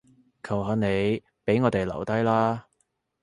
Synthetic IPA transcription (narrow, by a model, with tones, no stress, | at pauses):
kʰɐ˨˩wɦaː˨˧ne˨˧j | pe˨˥jŋɔː˨˧t̪e˨jlɐ̰˨˩wt̪ɐ˥jlaː˥